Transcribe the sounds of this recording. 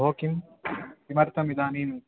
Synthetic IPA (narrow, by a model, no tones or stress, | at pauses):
ɦoːkimkimɐɾt̪ʰɐmid̪aːniːnː